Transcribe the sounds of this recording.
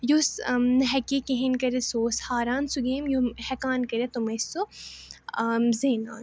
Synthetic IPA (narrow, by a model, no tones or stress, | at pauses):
josnɐɦɛkikẽɦenkɐɾesoːshaːɾaːnsuɡeːmjohɛkaːnkɐɾʲet̪omɐso | zeːna̰ːn